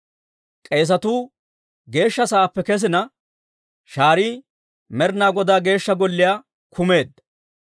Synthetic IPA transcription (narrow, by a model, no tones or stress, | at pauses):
kʼe̞ːs̬ɐt̪uː | ɡe̞ːʃːɐsaːpːɛkɛs̬ɪnɐ | ʃaːɾiː | mɛɾnaːɡɔd̪aːɡe̞ːʃːɐɡɔlːɪjaː | kʰʊme̞ːd̪ːɐ